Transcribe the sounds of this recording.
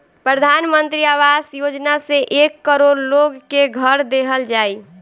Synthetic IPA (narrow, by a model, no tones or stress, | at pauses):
pɾəd̪ʱanmənt̪ɾiaʋasjod͡ʒnaseʔekːəɾoɾloɡkeɡʱəɾd̪eɦəld͡ʒaːi